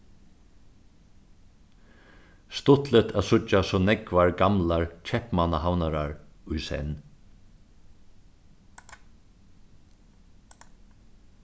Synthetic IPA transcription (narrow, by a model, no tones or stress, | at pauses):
st̪ʊt̪lɛt̪ʰæːðsʊasɔːnɛkvaɹɡamlaɹt͡ʃʰɛhpmanahawnaɾaɹʊjsɛ̰n